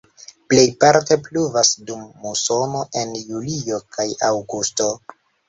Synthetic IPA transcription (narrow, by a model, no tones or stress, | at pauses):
ple̞jpaɾte̞pluvasdumːuso̞no̞ʔe̞njulio̞kʰajawɡusto̞